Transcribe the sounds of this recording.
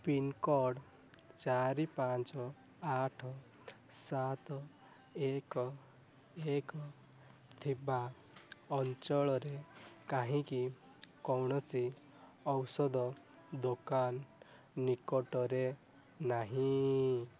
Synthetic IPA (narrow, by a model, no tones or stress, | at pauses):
pinkɔɽ | t͡ʃaɾipat͡ʃɔ | aʈʰɔ | sat̪ɔ | ek | ekɔ | t̪ʰiba | ɔnt͡ʃɔɭɔɾekaɦĩki | kɔwɳɔsi | ɔwsɔd̪ɔ | d̪okanː | ikɔʈɔɾe | naɦĩ